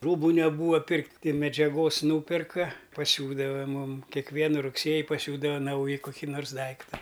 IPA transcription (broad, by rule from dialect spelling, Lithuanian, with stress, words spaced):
ˈruːbʊ nʲɛˈbuːɐ ˈpʲɪrktʲ tʲɪ mʲɛd͡ʒʲɛˈɡoːs ˈnuːpʲɛrkɐ pɐˈsʲuːdɐʋɐ ˈmuːm kʲɛkˈʋʲiɛnʊ rʊkˈsʲeːjɪ pɐˈsʲuːdɐʋɐ ˈnɐʊjɪ koːˈkʲiː noːrs ˈdɐɪktɐ